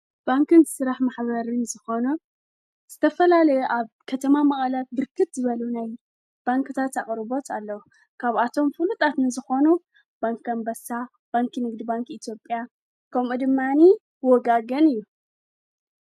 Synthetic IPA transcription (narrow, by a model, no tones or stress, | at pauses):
b̥aŋkɨnsɨɾaħmaħβɐɾɨnzɨxo̞nu | z̥ɨt̪ʰɐfɐlalɐjuʔaβkʰɐt̪ʰɐmamɐχʼalat̪̚bɨɾkʰɨt̪zɨβɐlunaj | b̥aŋkɨt̪ʰat̪aχʼɾɨbo̞t̪ʰalːɐw | kʰaβat̪ʰo̞mfɨlut̪ʼat̪nɨzɨxo̞nu | b̥aŋkɐmbɐsa | b̥aŋkʰɨnɨɡd̪ibaŋkit̪ʰjo̞pʼːja | kʰɐmud̪ɨmːani | wɔɡaɡɐnɨjːu